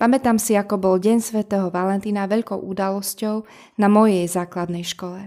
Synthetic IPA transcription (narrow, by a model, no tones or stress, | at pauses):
pamɛt̪aːmsiakɔbɔlɟɛnsʋɛt̪ɛːɦɔʋalɛnt̪iːnaʋɛʎkɔʊʔud̪alɔscɔʊ | namɔjɛjzaːklad̪nɛjʃkɔlɛ